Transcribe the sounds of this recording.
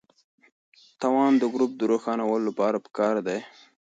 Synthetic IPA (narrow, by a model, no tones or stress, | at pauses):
t̪ɑwɑnd̪əɡɾup̚d̪əɾoxɑnawəlolapɑɾapə̥kɑɾd̪aj